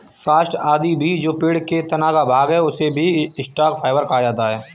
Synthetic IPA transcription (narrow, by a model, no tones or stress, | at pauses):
faːsʈaːd̪ibʱid͡ʒoːpɪːɽket̪ɐnaːkabʱaːɡɦɛʊsebʱiɪsʈaːkfʰaːɪʋəɾkaad͡ʒaːt̪aɦɛː